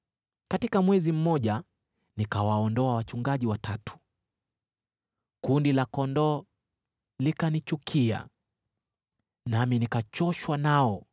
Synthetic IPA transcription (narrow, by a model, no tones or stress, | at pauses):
katikamwɛzim̩mɔʄa | nikawaɔndɔawat͡ʃuŋɡaʄiwatʰatu̥ | kundilakɔndɔ | likanit͡ʃukʰia̰ | naminikat͡ʃɔʃwanaɔ